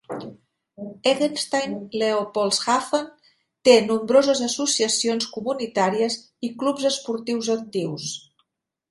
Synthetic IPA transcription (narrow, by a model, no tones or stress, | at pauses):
eɣənst̪ajnleopɔlˠsxafən | t̪enumbɾozəzəsusiəsionskumunit̪aɾiəz | iklupzəspuɾt̪iwzək̚t̪iws